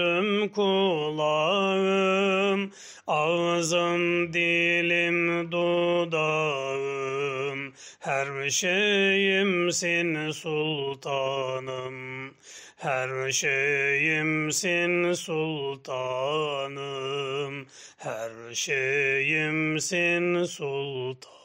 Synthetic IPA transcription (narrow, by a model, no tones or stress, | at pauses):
ɯmkʰolˠɑɣɯm | ɑvzɯmd̪ilimd̪od̪ɑɣɯmhæɾbʃejimsensulˠt̪ʰɑnɯm | hæɾʃejimsensulˠt̪ʰɑnɯm | hæɾʃejimsensulˠt̪ʰ